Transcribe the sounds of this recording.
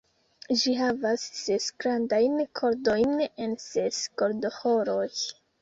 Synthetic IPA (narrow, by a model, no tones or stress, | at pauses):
d͡ʒiɦavasːesɡɾandajnkʰo̞ɾdo̞jne̞nsesko̞ɾdo̞hoɾo̞j